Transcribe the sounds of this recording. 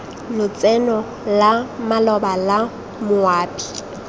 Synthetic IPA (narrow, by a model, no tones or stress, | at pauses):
lʊt͡sʼɛnɔ | lamalɔbala | mʊaːpʼi̥